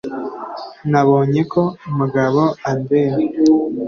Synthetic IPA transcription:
naβoːɲe̞kʰo̞muɡaβoambeɾe

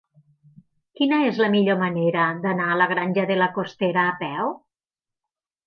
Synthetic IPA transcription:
kinəezləmiʎoməneɾəd̪anaːləɣ̞ɾanʲʒəðeləkost̪eɾəːpɛw

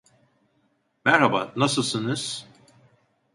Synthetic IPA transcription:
mɛɾɦaba̰nasɯlˠsɯnɯz̥

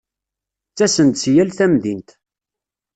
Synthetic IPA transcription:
t͡sːæsənt̪sjælθæmðint̪

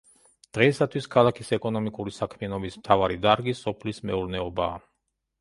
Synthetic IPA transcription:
d̪̥ʁɛisat̪ʰwiskʰalˠakʰisɛkʼɔnɔmikʼuɾisakʰmianɔbismt̪ʰavaɾid̪aɾɡisɔpʰlismɛuɾnɛɔbaː

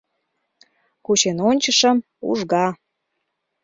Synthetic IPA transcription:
kut͡ɕenonʲt͡ɕəʃə̆m | ṵʒɣɑ

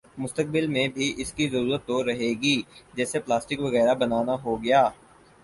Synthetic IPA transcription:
mʊst̪ək̚bɪlmẽbʱiʔɪskizɐɾuːɾət̪ːoɾɐɦeːɡiːd͡ʒɛːseplaːsʈɪkʋɐɣɛːɾabɐnaːnaɦoɡɐjaː

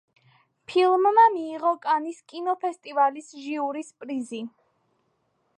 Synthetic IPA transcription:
pʰilˠmːamiːʁɔkʼaniskʼinɔpʰɛst̪ʼivalisʒiuɾispʼɾizi

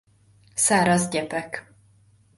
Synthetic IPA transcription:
saːɾɒzɟɛpɛk

